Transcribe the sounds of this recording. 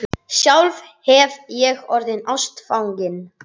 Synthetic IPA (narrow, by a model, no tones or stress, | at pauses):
sjawlv | hɛvjɛɣɔɾðɪnawst̪fawŋcɪn